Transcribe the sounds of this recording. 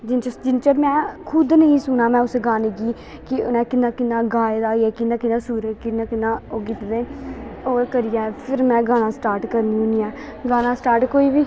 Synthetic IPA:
d͡ʒɪnt͡ʃəd͡ʒɪnt͡ʃəɾmɛ̃ːkʰʊd̪nəĩːsʊnaːmɛ̃ːʊseɡaːniːɡiː | kɪ̰nɛ̃ːkɪnːãːkɪnːãːɡaːeːd̪aːjeːkɪnːãːkɪnãːsuːɾəkɪnãːkɪnːãːoːɡɪt̪d̪eːoːkəɾɪjaːɛpʰɪɾmɛ̃ːɡãːnãːsʈaːɾʈkəɾniːʊniːɛː | ɡaːnãːsʈaːɾʈkoːiːbiː

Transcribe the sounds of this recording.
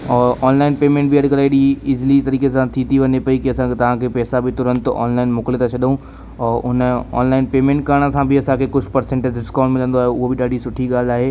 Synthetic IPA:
ɔːɾʔɔːnlaːɪnpeːmẽːɳʈ̚biɐɽkəlaːiɽiɪzlit̪ɐɾiːkesãt̪ʰit̪ʰiʋɐnepɐikiɐsãkt̪ɐʋ̤ãkʰepɛːsabit̪ʊɾə̃nt̪ɔ̰ːnlaːɪnmʊklɪt̪ʰat͡ɕʰɐɗɦũ | ɔːɾʊnɔ̰ːnlaːɪnpeːmẽːɳʈkɐɾəɽ̃sãbʱɪɐsãkʰekʊd͡ʑʰʱpɐɾsẽːɳʈed͡ʑɖɪskãːʊ̃ɳɖmɪlə̃nd̪oaːɦeʊɦobɪɗaːɖisʊʈʰiɠaːl̤aːɦeː

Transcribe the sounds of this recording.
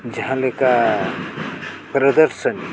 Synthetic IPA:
d͡ʒɐɦãleka | pɾɐd̪əɾsən

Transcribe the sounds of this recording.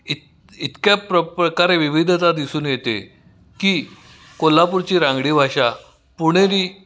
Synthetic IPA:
it̪ | it̪kjapɾəpɾəkaɾeʋiʋid̪ʱt̪ad̪isuːnjet̪ḛ | kiː | kolːapuɾt͡ɕiːɾãŋɡɽiːbʱaɕa | puɽ̃eɾiː

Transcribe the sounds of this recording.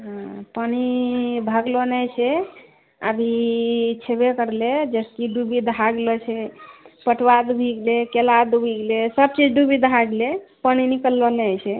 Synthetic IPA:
ɦãpənibʱəɡlonɛt͡ʃʰɛ | ə̰bʱit͡ʃʰebekəɾled͡ʒəskiɖubid̪ʱɦaɡlɔt͡ʃʰɛpəʈwad̪bʱiɡlekelad̪ubʱiɡlesəb̚t͡ʃid͡ʒɖubid̪ʱaɡlepəninikəlːoneət͡ʃʰɛ

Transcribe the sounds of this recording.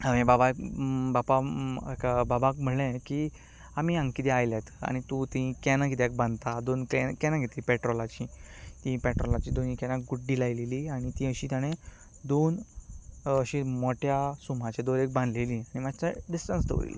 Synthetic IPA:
əʋẽbababapakababakm̤əɽɭẽki | amiãŋkit̪eajljat̪ʰəa̰ɽ̃it̪ut̪iĩkɛnakit̪ek̚bãnd̪t̪ad̪onkɛkɛnãɡʱet̪ipɛʈɾɔlat͡ɕit̪ĩpɛʈɾɔlat͡ɕiːd̪onĩkɛnãkɡuʈɖiːlajleliːaɽ̃it̪ĩəɕiːt̪jaɽ̃ẽ | d̪on | əɕĩmɔʈjasum̤at͡ɕed̪oɾek̚bãnd̪lelĩːaɽ̃imat͡saɖisʈənsd̪ə̰ʋɾḭl̰

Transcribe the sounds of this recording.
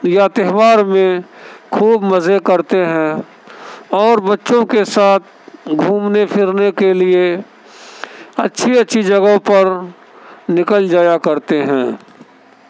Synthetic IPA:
jat̪eɦwaːɾmẽkʰuːbmɐzekɐɾt̪eɦɛ̃ | ɔːɾbɐtːʃõkesaːt̪̚ʰɡʱuːmnepʰɪɾnekelie | ɐtːʃʰiɐtːʃʰid͡ʒɐɡəpɐɾ | nɪkəld͡ʒaːjakɐɾt̪eɦɛ̃ː

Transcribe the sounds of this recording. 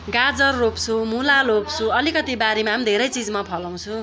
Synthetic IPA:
ɡad͡zʌrːopt͡sʰumulalop̚t͡sʰuʌlikʌt̪ibaɾimamd̪ʱeɾʌjt͡sid͡zmapʰʌlaw̃t͡sʰũ

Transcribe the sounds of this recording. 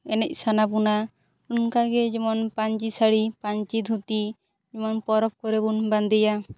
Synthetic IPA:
ɛnɛc̚ˀsanap̬una | unkaɡɛd͡ʒɛmɔnpaɲt͡ʃisaɽipaɲt͡ʃid̪ʱut̪i | d͡ʒɛmɔnpɔɾɔp̚kɔɾebunband̪ɛja

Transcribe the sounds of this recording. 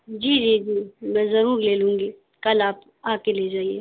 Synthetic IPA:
d͡ʒiːd͡ʒiːd͡ʒiːmɛ̃ːzɐɾuːɾleːlũːŋɡiː | kɐlaːp | aːkeleːd͡ʒaːieː

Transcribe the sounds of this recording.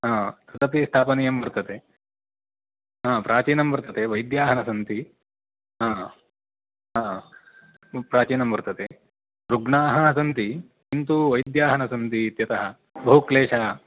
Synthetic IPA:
ɦãːt̪ɐt̪ɐpist̪ʰaːpɐnijɐmbɐɾt̪ɐt̪e | ɦãːpɾʔaːt͡ʃiːnɐmbɐɾt̪ɐt̪eʋɐjd̪jaːɦɐnɐsɐnt̪i | ɦãː | ɦãː | pɾaːt͡ʃiːnɐmbɐɾt̪ɐt̪e | ɾuɡɳaːɦɐɐsɐnt̪i | int̪uʋɐjd̪jaːɦɐnɐsɐnt̪iːt̪jɐt̪ɐɦɐ̆ | bɐɦukleːʂaː

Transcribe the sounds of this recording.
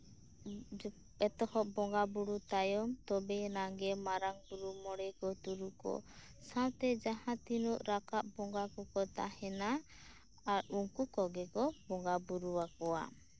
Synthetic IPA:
ɛt̪ɔhɔʔbɔŋɡabuɽut̪ajɔmt̪ɔbɛnaɡɛmaɾaŋbuɾumɔɽɛkɔt̪uɾukɔ̰ | sãt̪ɛd͡ʒaɦãt̪inuʔɾakaʔbɔŋɡakɔkɔt̪a̰hɛnaː | ɾuŋkukɔɡɛkɔbɔŋɡabuɾuwakɔwa̰

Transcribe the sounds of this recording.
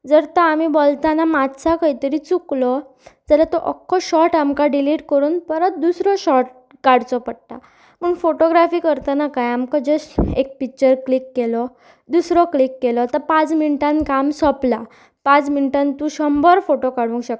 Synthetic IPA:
d͡zəɾt̪aamibolt̪anamad̪sakəɦit̪əɾit͡suklɔ | d͡zəlat̪ɔʔəkʰːɔɕɔʈamkaɖiliʈkəɾuːnpəɾət̪̚d̪usɾɔɕɔʈ̚ | kaɽt͡sɔpəɽt̪a | m̤əːɳfoʈoɡɾafiːkəɾt̪anakajamkɔd͡ʑəsek̚pik̚t͡ɕəɾklikːelɔ | d̪usɾɔklikːelɔt̪apãt͡sminiʈãnkamsɔpla | pãt͡sminiʈãnt̪ũɕɔmbɔɾfoʈokaɽ̤ũŋkɕək̚

